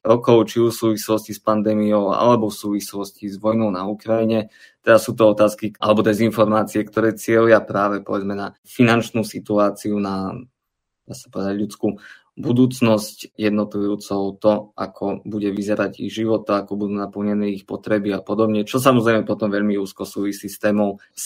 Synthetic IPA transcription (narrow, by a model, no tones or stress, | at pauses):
ɾɔkɔʊt͡ʃiufsuːʋislɔscispand̪ɛːmijɔʊa̰lɛbɔfsuːʋislɔscizʋɔjnɔʊnaukɾajiɲɛ | t̪ɛd̪asuːt̪̬ɔɔt̪aːskiʔa̰lɛbɔd̪ɛzinfɔɾmaːt͡siɛkt̪ɔɾɛːt͡sɪɛliapɾaːʋɛpɔʋɛd͡zmɛna | finant͡ʃnusit̪uaːt͡siuna | d̪̥aːsḁpɔʋɛd̪aɟʎut͡sku | bud̪uːt͡snɔscjɛd̪nɔt̪ujuːt͡sɔʊt̪ɔʔa̰kʰɔbuɟɛʋizɛɾaɟḭɣʒiʋɔt̪aakɔbud̪uːnapl̩ɲɛnɛːixpɔt̪ɾɛbiapɔd̪ɔbɲɛt͡ʃɔs̬amɔzɾɛjmɛpɔt̪ɔmʋɛʎmiuːskɔsuːʋisiːst̪ɛːmɔʊ | s